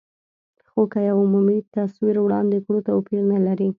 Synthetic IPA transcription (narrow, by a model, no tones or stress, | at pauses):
xokajawʊmumit̪aswiɾwɽɑnd̪ekɽot̪awpiɾnalaɾi